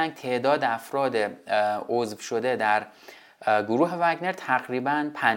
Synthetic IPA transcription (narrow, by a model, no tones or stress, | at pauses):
æŋɡ̚t̪ʰe̞ʔd̪ɒːd̪eæfɾɒːd̪eozvʃo̞d̪e̞d̪æɾ | ɡoɾuːɦe̞væɡne̞ɾt̪ʰæɣɾiːbænpʰæn